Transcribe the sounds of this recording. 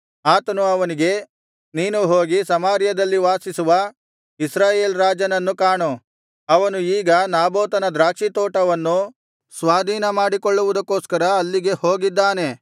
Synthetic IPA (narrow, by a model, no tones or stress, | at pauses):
aːt̪ɐnuɐʋɐniɡe̞ | niːnuɦoːɡisɐmaːɾjɐd̪ɐlːiʋaːsisuʋɐ | isɾaːjeːlɾaːd͡ʒɐnɐnːukaːɳu | ɐʋɐnuiːɡɐnaːboːt̪ɐnɐd̪ɾaːkʂit̪oːʈɐʋɐnːu | sʋaːd̪ʱiːnɐmaːɽikoɭːuʋud̪ɐkːoːskɐɾɐːlːiɡe̞hoːɡid̪ːaːne̞